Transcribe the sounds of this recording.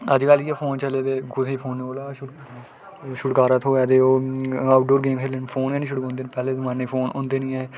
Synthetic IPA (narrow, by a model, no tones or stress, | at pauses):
əd͡ʒkəliːɛpʰoːnt͡ʃəleːt̪eːɡʊt̪ʰːiːpʰoːnːioːlaːʃ | ʃʊɽkaːɾaːt̪ʰoːɛːd̪eːoːaːʊʈ̚ɖoːɾɡeːmɦeːlənpʰoːnɛ̃ːnĩːʃʊɽkõːnd̪eːnĩpɛːleːd̪mãːnːẽːpʰoːnõ̰ːnd̪eːnĩːɛː